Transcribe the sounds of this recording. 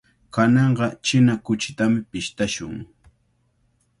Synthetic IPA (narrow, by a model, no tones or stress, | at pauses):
kanɑɴɢɑt͡ʃɪnakʊt͡ʃɪ̥t̪amɪpɪʃt̪aʃʊŋ